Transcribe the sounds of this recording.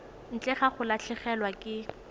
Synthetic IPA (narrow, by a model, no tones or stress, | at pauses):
n̩t͡ɬʼɛχaχʊlat͡ɬʰɪχɛlwakʼɪ